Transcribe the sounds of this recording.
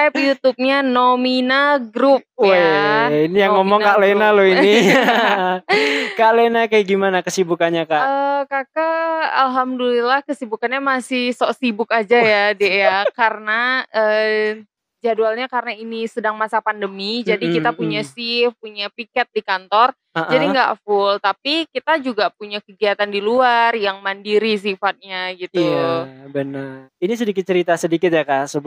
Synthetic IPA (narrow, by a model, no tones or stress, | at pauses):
apjut̪up̚ɲanominaɡɾup̚ | injaŋɔmɔŋkaʔlenaloini | kaʔlenakajaɡimanakəsibukanɲakaəkakaalɦamdulilahkəsibukanɲamasɪhsɔʔsibʊkad͡ʒajadajakarənaə | d͡ʒadualɲakarənainisədaŋmasapandəmid͡ʒadikit̪apuɲasifpuɲapikɛt̪̚dikant̪ɔr | ʔd͡ʒadiŋɡa̰ʔfʊlt̪apikit̪ad͡ʒuɡapuɲakəɡiat̪andiluarjaŋmandiɾis̬ifat̪̚ɲaɡit̪uabənərinis̬ədikɪt̪̚t͡ʃəɾit̪asədikɪt̪̚jakasəb